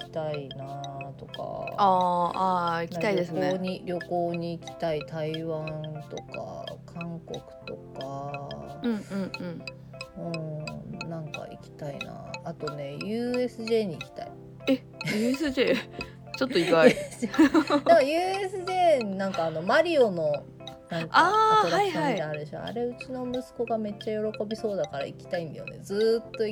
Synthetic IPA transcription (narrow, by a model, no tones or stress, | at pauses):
ikʲi̥t̪ainat̪o̞ka̰aaik̪iat̪aid̪esɨnoeɲiɾʲo̞ko̞ːɲ̟iːkʲi̥t̪ait̪aiβãnt̪o̞ka̰kʰãŋko̞kɯ̟̥t̪o̞ka | ɯ̟̃ɴɯ̟̃ɴ̃ɴ | ɯ̟̃nãŋka̰ikʲi̥t̪aḭna̰ːt̪o̞ne̞jɯ̟ːe̞sɨʑe̞ːɲ̟iːkʲi̥t̪a̰i | e | jɯːesɨʑeː | t͡ɕot̪ːoipaesɨamkajɯ̟ːesɨʑeːɲnãŋkaːno̞maɾʲio̞no̞ | nãŋkaoaiiait̪eaɾɯd̪eɕo̰a̰ɾe̞ɯ̟t͡ɕino̞mɯ̟sɨ̥ko̞ɡame̞t͡ɕːajo̞ɾo̞ko̞bʲiso̞ːd̪akaɾa̰ikʲi̥t̪aĩnjo̰ne̞̰d͡zɨːt̪ːo̞i